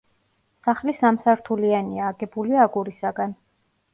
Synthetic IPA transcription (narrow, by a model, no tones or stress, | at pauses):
saχlisamsaɾt̪ʰulianiaːɡɛbuliaɡuɾisaɡan